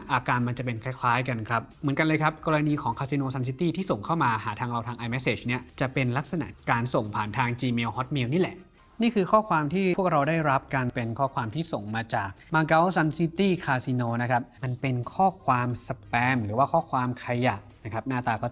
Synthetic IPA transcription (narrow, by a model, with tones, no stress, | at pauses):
ʔaː˧kaː˧nma˧nt͡ɕa˨˩pe˧nkʰa˦˥˩jkʰlaː˦˥jka˧nkʰɾa˦˥p̚mɯ˩˦nka˧nlɤː˧kʰa˦˥p̚kɔː˧ɾa˧niː˧kʰɔː˩˦ŋkʰaː˧si˧noː˧sa˧ns̬i˧˦˥t̪iː˥˩t̪ʰiː˥˩so˨˩ŋkʰa˥˩wmaː˧ɦaː˩˦t̪ʰaː˧ŋɾa˧wt̪ʰaː˧ŋʔaː˧jmɛ˦˥seː˨˩t͡ɕni˥ɐt͡ɕa˨˩pe˧nla˦˥k̚sa˧na̰˨˩ʔkaː˧nso˨˩ŋpʰaː˨˩nt̪ʰaː˧ŋt͡ɕiː˧meː˧whɔ˦˥t̪̚mi˧wniː˦˥˩lɛ˨˩ʔ | niː˥˩kʰɯː˧kʰɔː˥˩kʰwaː˧mt̪ʰiː˥˩u˥˩ək̚ɾa˧wdaː˥˩jɾa˦˥p̚ka˧npe˧nkʰɔː˥˩kwaː˧mt̪ʰiː˥˩so˨˩ŋmaː˧t͡ɕaː˨˩k̚maː˧ɡa˦˥wsa˧nsi˦˥t̪iː˥˩kʰaː˧si˧noː˧na˦˥kʰɾa˦˥p̚ma˧npe˧nkʰɔː˥˩kʰwaː˧msa˧pɛː˨˧˥mɾɯː˩˦waː˥˩kʰɔː˥˩kʰwaː˧mkʰa˧ja˨˩ʔna˦˥kʰɾa˦˥p̚naː˥˩t̪aː˧kɔː˥˩